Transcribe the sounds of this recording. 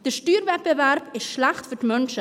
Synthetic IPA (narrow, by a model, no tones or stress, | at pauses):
d̥əstyːrvɛt̚bəværpɪsːlaχtfətmɵnsə